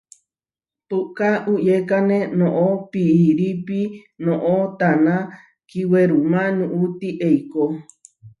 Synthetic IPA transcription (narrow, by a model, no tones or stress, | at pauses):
t̪ukaujekanẽnõʔopiʔiɾipinõʔot̪anã | kiweɾumãnũʔut̪iʔeiko